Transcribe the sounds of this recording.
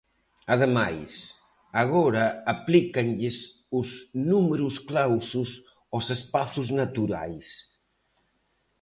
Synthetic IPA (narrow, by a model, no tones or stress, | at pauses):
aðemajs | aɣɔɾaːplikanʎɪs | uznumeɾusklawsus | osespaθuznat̪uɾa̰js